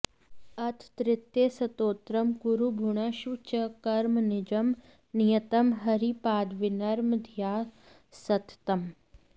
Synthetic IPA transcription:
ɐt̪ʰt̪ɾɪt̪ːjesɐt̪oːt̪ɾɐmɡuɾubʱuɳ̃ɐʃut͡ʃɐkɐɾmnɪd͡ʒɐm | nijɐt̪ɐmɦɐɾipaːd̪ʋɪnɐɾmd̪ʱjaː | sɐt̪t̪ɐm

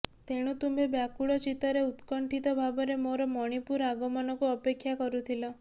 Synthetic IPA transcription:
t̪eɽ̃ut̪umbebjakuɭɔt͡ʃit̪ɔɾeut̪kɔɳʈʰit̪ɔbʱabɔɾemoɾɔmɔɽ̃ipuɾaɡɔmɔnɔkuɔpekʰːjakɔɾut̪ʰilɔ

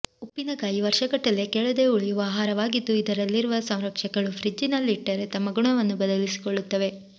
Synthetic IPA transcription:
upːinɐkaːjiʋɐɾʃɐkɐʈːɐle̞kɛɭɐd̪e̞ːuɭijuʋɐːɦaːɾɐʋaːɡid̪ːuid̪ɐɾɐlːiɾuʋɐsɐw̃ɾɐkʂɐkɐɭufʰɾid͡ʒinɐlːiʈːɐɾet̪ɐmːɐɡuɳɐʋɐnːubɐd̪ɐlisi̥koɭːut̪ːɐʋe̞

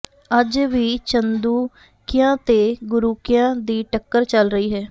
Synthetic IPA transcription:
əd͡ʒʋiːt͡ʃənd̪uː | kɪjãːt̪eːɡʊɾuːkɪjãːd̪iːʈəkːəɾt͡ʃəlɾəiːɦɛː

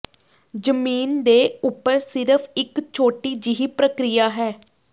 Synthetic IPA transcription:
d͡ʒəmiːnd̪eːʊpːəɾsɪɾəpʰɪkt͡ʃʰoːʈiːd͡ʒɪɦiːpɾəkɾɪjaːɦɛː

